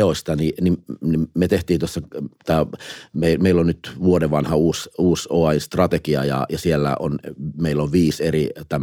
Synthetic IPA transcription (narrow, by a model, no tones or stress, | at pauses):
osʲt̪ɑninimnimmet̪eht̪iːnt̪uosːɑt̪ɑːmeimeilːonnyt̪ʋuodeʋɑnhɑuːsuːsoɑinst̪rɑt̪ekiɑjɑ̰jɑsielːæ̰ʔo̰nmeilːoʋʋiːserit̪æmː